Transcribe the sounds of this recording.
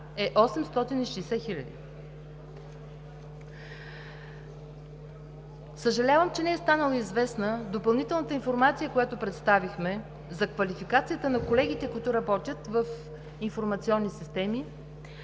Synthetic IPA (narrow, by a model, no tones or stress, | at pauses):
ɛʔɔsɛmst̪ɔt̪iniʃɛjsɛxilʲəd̪ḭ | səʒɐlʲavəmt͡ʃɛnɛɛst̪anəlˠəizvɛsnəd̪opɐlˠnit̪ɛlˠnət̪əinfoɾmat̪sijəkojat̪opɾɛt̪st̪avixmɛ | zɐkvɐlifikat̪sijət̪ənɐkolɛɡ̟it̪ɛkʊit̪ʊɾɐbɔt̪ʲjət̪vəf | infoɾmɐt̪siɔnːisist̪ɛmi